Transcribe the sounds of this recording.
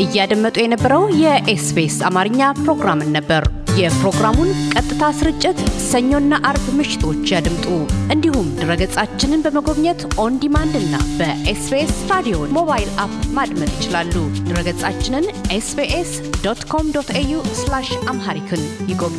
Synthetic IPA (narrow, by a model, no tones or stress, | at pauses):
ʔɨjːad̪əmːət̪ʼujɛnəbːəɾəwjɛʔesbesa̰maɾɨɲːapɾo̞ɡɾamɨnːəbːəɾjɛpɾo̞ɡɾamunkʼət̪ʼːɨt̪ʰasɨɾɨt͡ʃʼːɪt̪səɲːo̞nːaʔaɾbmɨʃɪ̥t̪ʰo̞t͡ʃːjad̪ɨmt̪ʼuʔɨnd̪ihumd̪ɨɾəɡət͡sʼat͡ʃːɪnɨnbəməɡo̞βɲɛt̪ʔo̞nd̪imand̪ɨnːa̰bəʔesbesɾad̪ijomo̞βajilapmad̪mət̪jɪt͡ʃɪlalːud̪ɨɾəɡət͡sʼat͡ʃːɪnɨnʔesbeʔes | d̪ot̪kʰo̞md̪ot̪ʰejuslaʃʔamɦaɾikʰɨnjɪɡoβ